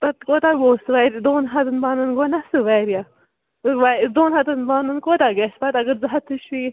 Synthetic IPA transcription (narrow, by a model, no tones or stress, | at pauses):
pɐt̪koːt̪aɡoːsɨʋaɾd̪oːnɦɐt̪ɨnbaːnɨnɡonasɨʋaɾija | ʋad̪oːnɦɐd̪ɐnbaːnɨnkoːt̪aɡespɐt̪ɐɡəɾzaɦat̪ʰːɨʃi